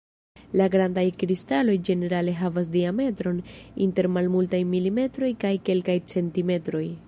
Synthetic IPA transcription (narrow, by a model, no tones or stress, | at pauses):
laɡɾandajkɾistalo̞jd͡ʒe̞ne̞ɾale̞ɦavas̬diame̞tɾo̞ninte̞ɾmalmultajmilime̞tɾo̞jkajke̞lkajt͡se̞ntime̞tɾo̞j